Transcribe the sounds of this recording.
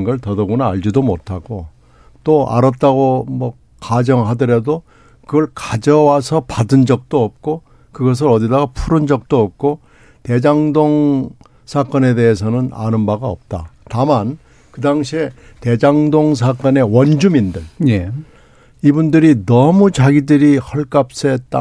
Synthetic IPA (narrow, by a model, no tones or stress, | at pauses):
nɡʌɭtʌdʌɡonaːɭd͡ʑidomotʰaɡ̥o | t͈oa̰ɾʌt̚t͈aɡomʌ | kad͡ʑʌŋɦadɯɾe̞do | kɯɡʌɭkad͡ʑʌwasʰʌpadɯnd͡ʑʌk̚t͈oʌp̚k͈o | kɯɡʌs̬ɯɾʌdidaɡapʰuɾɯnd͡ʑʌk̚t͈oʌp̚k͈o | te̞d͡ʑaŋdoŋ | sʰak͈ʌne̞de̞es̬ʰʌnɯna̰nɯnbaɡaʌp̚t͈a̰taman | kɯdaŋɕʰie | te̞d͡ʑaŋdoŋs̬ʰak͈ʌne̞wʌnd͡ʑumindɯɭ | ibundɯɾinʌmut͡ɕaɡidɯɾihʌɭk͈ap̚s͈ʌet͈a̰